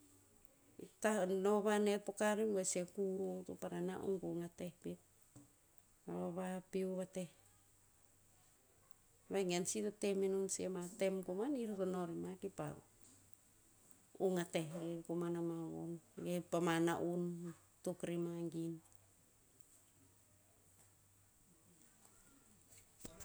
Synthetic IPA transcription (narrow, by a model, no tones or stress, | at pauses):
itanoβanetpokaɾimwesekuɾotupaɾana̰ʔṵnkuŋatehpit̚ | aβaβapiuβateh | βaŋensitoteminunsiematemkomaniɾatonoɾimakipa̰ | uŋatehɾikumanamaβo̰nɡepamana̰ʔun | tukɾimaŋɡin